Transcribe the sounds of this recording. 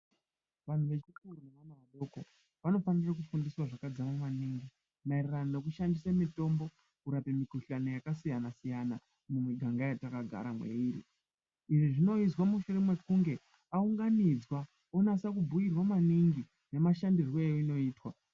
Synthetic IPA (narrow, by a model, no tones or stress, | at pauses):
ʋan̤uʋe̞t͡ʃikuruneʋanaʋaɗo̞ko̞ | ʋano̞fanirak̬ufundiswaʐakad͡zamamaniːŋɡi | mairiranone̞k̬uʃandisamito̞mbo̞ | kuɾape̞mikuɬanojakasijanasijana | mumweɡʱaŋɡajatakaɡʱa̰ɾamwe̞̰iːɾḭ | iʐiʐino̞izwamuʃure̞mwe̞kuŋɡe̞ | auŋɡanid͡zwa | onasakubʱujirwamaniŋɡi | ne̞maʃandirwoejoino̞iːtwa